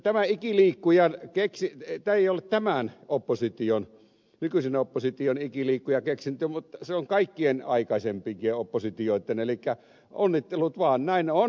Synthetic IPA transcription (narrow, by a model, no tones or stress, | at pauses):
t̪æmæikiliːkːujɑnkeksit̪æejolːett̪æmænopːosit̪ion | nykysenopːosit̪ionikiliːkːujɑkeksint̪ːymut̪ːɑseoŋkɑikːienɑikɑisempikieopːosit̪ioˑit̪ːˑenelikːæ | onːit̪ːelːut̪ʋɑːnnæˑinon